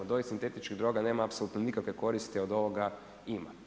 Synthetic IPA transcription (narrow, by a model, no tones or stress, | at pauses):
od̪oisint̪et̪it͡ʃkiɣd̪ɾoːɡaneːmaːpsoluːt̪nonikakʋekoɾist̪iod̪oʋoɡa | ima